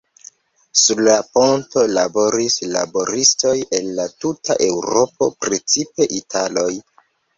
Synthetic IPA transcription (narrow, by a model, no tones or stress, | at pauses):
suɾlapo̞nto̞labo̞ɾisla̰bo̞ɾisto̞je̞nlatuta̰ʔe̞wɾo̞po̞̰pɾet͡sipe̞ʔitʰalo̞j